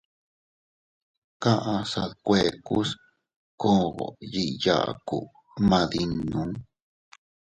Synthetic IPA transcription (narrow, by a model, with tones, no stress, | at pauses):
kã˦ʔã˧sa˧kʷe˨ku˦s | ko˦˧ɣo̰˨ji˧ʔja̰˦˧˨kṵ˨ | mã˧ði˧nũ˨˦